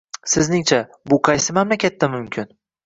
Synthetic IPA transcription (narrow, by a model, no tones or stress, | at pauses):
sɪznɪŋt͡ʃʰa | bʊqʰɑjsɪmamlakʲat̪ːamʊmkʲʰɪn